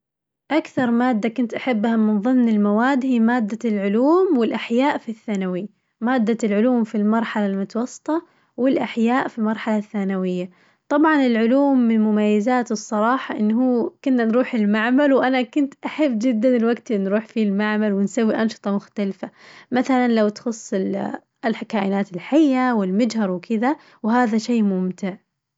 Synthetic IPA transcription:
ʔakθɑɾˤmaːd̪ːakʊnt̪ʔaħabːhamɪnðˤɨmnɪlmawaːd̪hiːmaːd̪ːalʕʊluːmwɪlʔaħjaːʔfiθːaːnawi | maːd̪ːalʕʊluːmfilmɑɾˤħalalmʊt̪ɑwɑsˤːɨ̥t̪ˤɑ | wɪlʔaħjaːʔfilmɑɾˤħalaθːaːnawɪjːa | t̪ˤɑbʕɑnɪlʕʊluːmːɪnmʊmajːazaːt̪ɨsˤːɑɾˤɑːħɑʔɪnːɦuːkʊnːanɾuːħɪlmaʕmalwʔanakʊnt̪ʔaħabːd͡ʒɪd̪ːanɪlwaɡt̪nɾuːħfilmaʕmalwɪnsawːiʔɑnʃɨ̥t̪ˤɑmʊxt̪alfamaθalanlawt̪xʊsˤːɪl | kaːʔɪnaːt̪ɪlħajːawɪlmʊd͡ʒhɑɾˤwkʰɪða | wɦaːðaʃeːmʊmt̪ɪʕ

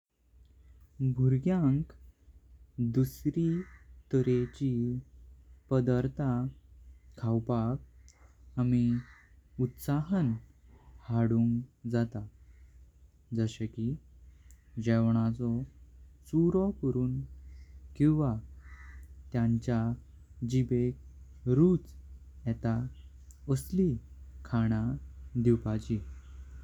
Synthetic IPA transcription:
bʱuɾɡjãŋk | d̪usɾit̪əɾet͡ɕi | pəd̪əɾt̪a | kʰawpak̚ | ami | ut̪saɦən | haɽuŋkd͡zat̪a | d͡zəɕeki | d͡ʑɛʋɳ̃at͡sɔsuɾɔkəɾuːn | kĩw̃ʋa | t̪jãɲt͡ɕja | d͡ʑibek̚ | ɾut͡s | jɛt̪a | əslikʰaɽ̃ad̪iwpat͡ɕi

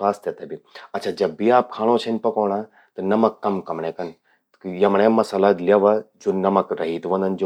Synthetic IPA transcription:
aːst̪jɐt̪ɐbiɐtːt͡ʃʰaːd͡ʒɐbːiaːp̚kʰaːɽ̃õt͡ʃʰɐnpɐkoːɽãː | t̪ɐnɐmɐkːɐmkɐmɽẽːkɐn | jɐmɽ̃ẽmɐsaːlaːt̪ljaːʋad͡ʒoːnɐmɐkɾɐɦiːt̪ʋɐ̃nd̪ɐnd͡ʒo

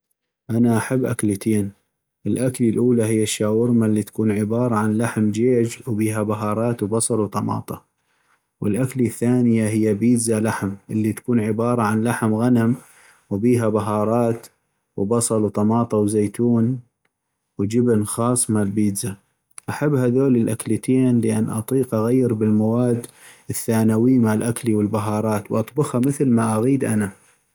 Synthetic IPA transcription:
ʔanaʔaħabːʔaklit̪ʰeːn | ʔɪlʔaklilʔuːlaɦɪjːaʃːaːwɪɾmalːit̪ḁkuːnʕɪbɑːɾˤɑʕanlaħmd͡ʒeːd͡ʒwbiːɦabaɦɑːɾˤɑːt̪wbɑsˤɑlwt̪ˤɑmɑ̰ːt̪ˤɑ | wɪlʔakliθːaːnɪjaɦɪjːabiːd̪zalaħmʔɪlːit̪ḁkuːnʕɪbɑːɾˤɑʕanlaħmɣanam | wbiːɦabaɦɑːɾˤɑːt̪ | wbɑsˤɑluwt̪ˤɑmɑːt̪ˤɑwzeːt̪uːn | wd͡ʒɪbnxɑːsˤmaʕlbiːd̪za | ʔaħabːhaðoːlilʔaklət̪ʰeːnləʔanːʔɑ̰t̪ˤiːqʔaɣajːɪɾbɪlmawaːd̪ː | ɪθːaːnawimaʕalʔakliwɪlbaɦɑːɾˤɑːt̪wʔɑt̪ˤbʊxhamɪθlmaʔaɣiːd̪ʔana

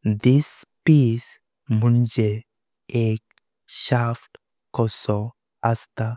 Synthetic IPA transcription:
d̪ispiːs | mund͡ʒe | ek | ʃafʈ | kɔsɔ | ɐst̪a

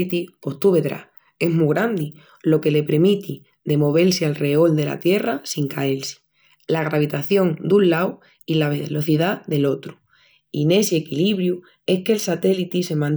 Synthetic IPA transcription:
it̪ipo̞ht̪uβe̞ðɾa̰ | e̞ɦmuɣɾand̪i | lo̞ke̞le̞pɾemit̪i | d̪e̞mo̞β̞e̞lsialre̞o̞ld̪e̞la̰t̪je̞rasiŋkaelsi̥ | laɣ̞ɾaβ̞it̪aθjo̞ŋd̪unlaw | ilaβelo̞θiðaðe̞lo̞t̪ɾu̥ | ine̞sie̞kiliβɾju | e̞hkelsat̪e̞lit̪ise̞mãn

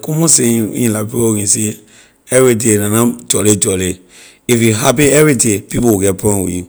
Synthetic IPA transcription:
komɔ̃sẽwḭ̃lapioŋĩse | ɛvit̬enãnãd͡ʒɔled͡ʒɔle | ifiɦapeɛwitepipokɛpɔ̃wḭː

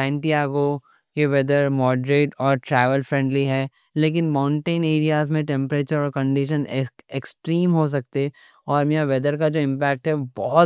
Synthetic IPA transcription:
sɛ̃ːɳʈiaːɡo | keʋɛd̪əɾmɔːɖɾeːʈɔːɾʈɾɛːʋəlfɾɛ̃ɳɖliɦɛː | leːk̬ɪnmaːʊ̃ɳʈẽːneːɾijaːzmẽʈɛ̃mpɾeːt͡ʃəɾɔːɾkɐ̃ɳɖɪʃəneksʈɾiːmɦos̬ɐk̚t̪e | ɔːɾmiãʋɛd̪əɾkad͡ʒoːɪ̃mpɛːk̚ʈɦɛobɔɦʊt̪

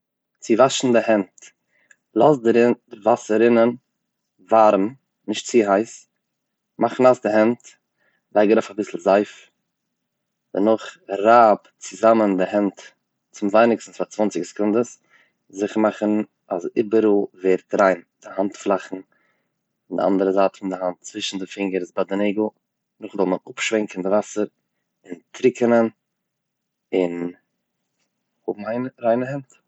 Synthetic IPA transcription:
t͡sɪvaʃn̩dɪhɛnt | lˠasdɾɪvasəɾɪnən | vaɾm̩ | nɪʃtt͡sɪɦaɪs | maχn̩asdɪɦɛnt | laɪɡəɾaʊfabɪsl̩ˠzaɪf | d̥ənʊχɾab | t͡sɪzaməndɪhɛnt | t͡sɪmvaɪnɪksn̩sfat͡svant͡sɪkskʊndəs | zɪχəmaχən̩ | azɪbəɾulˠveːɾtɾaɪnd̥ɪhantflˠaχn̩ | ndɪ̰a̰ndəɾəzaːtfɪndɪhant̚t͡svɪʃn̩dɪfɪŋɡəɾɪzbadəneɪɡl̩ˠ | nʊχzɔlˠmənʊpʃvɛŋkn̩dɪvasəɾ | ɪntɾɪkənən | ɪn | hʊbm̩aɪnɾaɪnəhɛnt

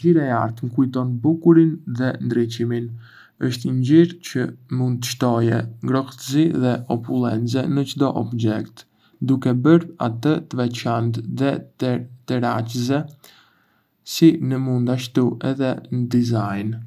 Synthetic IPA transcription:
iɾaa̰ɾt̪ŋkujt̪ɔnbukuɾinðɛnd̪ɾit͡ʃimin | əʃt̪ɲɟiɾcəmund̪̚t̪əʃt̪ɔjɛŋɡɾɔxt̪əziðɛɔpulɛ̰nt͡sɛnət͡ʃd̪ɔʔɔbd͡ʒɛkt̪ | d̪ukɛbəɾa̰t̪ət̪əvɛt͡ʃant̪ðɛt̪əɾat͡ʃəzɛ | sinəmund̪aʃt̪uʔɛðɛnəd̪izajn

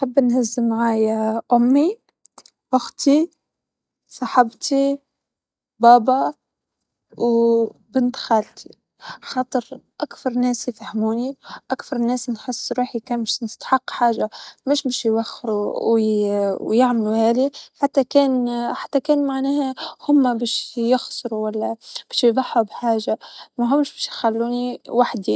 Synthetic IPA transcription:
ħabːnhazːmːaʕaːjaʔʊmːi | waxt̪i | sˤɑħabt̪ʰi | bɑːbɑ | wbɪnt̪xɑːlt̪ʰi̥ | xɑːt̪ˤɨɾʔakθɑɾˤnɛːsjfahmuːniʔakθɑɾˤnɛːsnħɨsˤːɾuːħikæːnbɪʃnɪst̪ḁħɑqːħaːʒamɪʃbæːʃjwaxːɾuwwjaʕmluhæːliħat̪ːakɛːnħat̪ːakæːnmaʕnæːhæhʊmːabæːʃjɪxsˤɾuwælːæb̥ɛːʃjjðˤɑħːubħaːʒamæɦʊmːʃbæːʃjxalːuːniwaħd̪i

